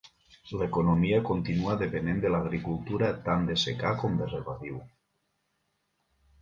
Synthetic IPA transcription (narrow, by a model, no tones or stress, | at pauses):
lekonomiakont̪inuaðepenend̪elaɣɾikulˠt̪uɾat̪and̪esekakomd̪ereβaðiw